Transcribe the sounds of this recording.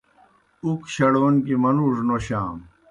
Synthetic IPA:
ukɕɐɽwɐnkimɐnuːʂnoɕaːm

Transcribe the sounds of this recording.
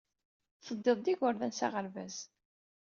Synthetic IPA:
θəd̪ːeðˤd̪iʝʊɾðænsa̰ʁəɾvæ̰z

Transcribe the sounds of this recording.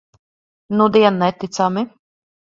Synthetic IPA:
nud̪iɛnːɛt̪it̪sami

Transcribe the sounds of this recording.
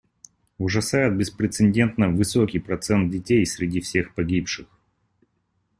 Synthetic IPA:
ʊʐɐsajʊt̪̚bʲɪspɾʲɪt̪sɨnʲdʲe̞nt̪nəvɨsokʲijpɾɐt̪sɛnt̪̚dʲɪtʲejsʲɾʲɪdʲifsʲe̞xpɐɡʲipʂɨx

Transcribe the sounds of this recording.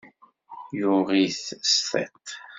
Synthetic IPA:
jʊʁiθsθɛ̰t̪

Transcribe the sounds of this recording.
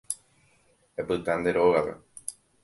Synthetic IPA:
epɨt̪and̪eɾoɣapḛ

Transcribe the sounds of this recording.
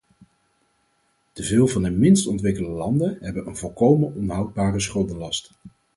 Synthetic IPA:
təvɪːlˠvɑndəmɪnstɔntʋɪkəldəlɑndəɦɛbənənvɔlˠkowmənʔɔnɦɑwd̚baːrəs̬χɵlˠdənlɑst

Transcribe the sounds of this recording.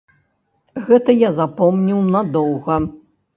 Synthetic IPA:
ɣɛt̪ɐjazapɔmnʲiwnad̪ɔwɣɐ

